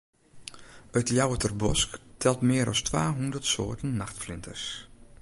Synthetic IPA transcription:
ətjawətərbɔsktʰɛlˠtmɪəɾʔɔ̰stʋaːɦundərtso̰ːtənːaxtflɪntʰərs

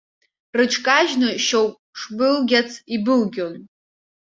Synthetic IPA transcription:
rɨʈ͡ʂʰkʼaʒnɨʃowpʼʂbɨlɡʲat͡sʰibɨlɡʲon

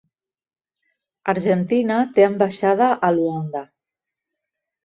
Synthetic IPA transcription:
aɾʒənt̪inat̪eəmbaʃað̞əʔəluand̪a

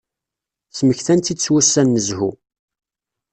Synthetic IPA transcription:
sməçθænt̪it͡sːwæsːænːəzhu

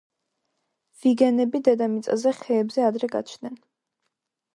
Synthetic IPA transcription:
v̥iɡɛnɛbid̪ɛd̪amit̪sʼa̰zɛχɛːbzɛad̪ɾɛɡa̰t͡ʃʰnɛn

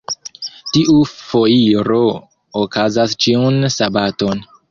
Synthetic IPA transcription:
tiʔufo̞iɾo̞ | okazast͡ʃiunsabato̞n

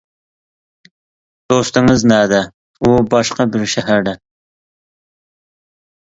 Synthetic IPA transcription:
d̪̥ost̪ɨŋɨznæːd̪ɛ | ubɑʃqɑbɪɾʃæɦæɾd̪ɛ

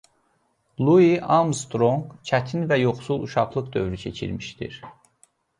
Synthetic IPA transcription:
lˠuiʔɑmst̪ɾoŋɡt͡ʃʰæt̪ʰinvæjoχsulˠuʃɑχlˠɯqd̪ø̞̰vɾycʰe̞t͡ʃʰḭɾmiʃd̪ḭɾ

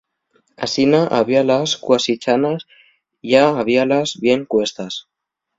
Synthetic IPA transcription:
a̰sinaʔaβialaskwasit͡ʃanas | ʝaaβ̞ialazβje̞ŋkwe̞st̪as

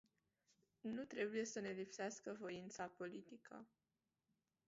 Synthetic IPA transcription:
nut̪ɾe̞buje̞səne̞lipseaskəvo̞int̪sapo̞lit̪ikʰə̰

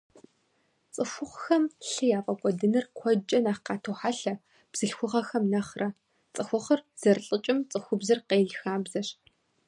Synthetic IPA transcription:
t͡sʼɨxʷʊχʷxɐmɬɨjaːfʼɐkʷʼɔdɨnɨrkʷʰɔd͡ʒʼɐnaːχqɑːtʰoːħaɬɐ | b̥z̥ɨɬxʷʊʁɐxɐmnɐχrɐ | t͡sʼɨxʷʊχərz̥ɐrɬʼɨt͡ʃʼɪmt͡sʼɨxʷʊbzɨrqeːɮxaːbzɐɕ

